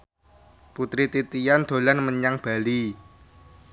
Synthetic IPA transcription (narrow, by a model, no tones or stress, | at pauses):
put̪ɾit̪it̪ijand̪̥o̤lanməɲaŋb̥a̤li